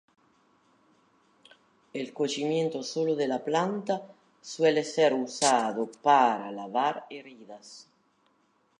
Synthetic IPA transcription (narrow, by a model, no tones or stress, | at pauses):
elkot͡ʃimjent̪osoloðelaplant̪a | swɛlesɛɾusaðopaɾalavaɾeriðas